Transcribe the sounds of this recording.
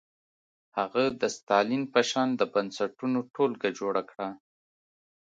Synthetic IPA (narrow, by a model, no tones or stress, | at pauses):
haɣad̪əst̪ɑlinpəʃɑnd̪əbansaʈunoʈolɡad͡ʒoɽakɽa